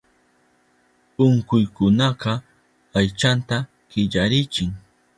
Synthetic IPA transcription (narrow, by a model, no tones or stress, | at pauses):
ʊŋkʊjkʊnɑqɑ | ajt͡ʃant̪a | ɢ̥ɪʎaɾɪt͡ʃɪŋ